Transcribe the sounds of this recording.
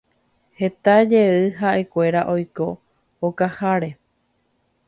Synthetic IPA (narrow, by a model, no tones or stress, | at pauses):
he̞t̪ad͡ʒeɨɦaʔe̞kʷe̞ɾaʔo̞jko̞ | okahaɾe̞